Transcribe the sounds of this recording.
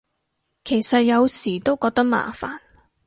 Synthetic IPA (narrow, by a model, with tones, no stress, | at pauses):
kʰe˨˩jsɐ˨t̚jɐ˨˧wsiː˨˩t̪o˥wkɔː˧k̚t̪ɐ˥k̚ma̰ː˨˩fa̰ː˨˩n